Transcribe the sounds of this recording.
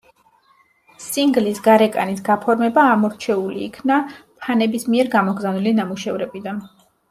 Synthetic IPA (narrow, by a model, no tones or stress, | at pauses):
siŋɡlisɡaɾɛkʼa̰nisɡapʰɔɾmɛbaːmɔɾt͡ʃʰɛulḭːkʰnapʰanɛbismiɛɾɡamɔɡɾzanilinamuʃɛvɾɛbid̪an